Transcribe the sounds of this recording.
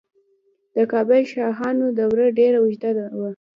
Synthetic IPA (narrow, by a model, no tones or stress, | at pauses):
d̪̥əkɑbajʃɑxɑnod̪əwɾəɖeɾawɪʒd̪ad̪awa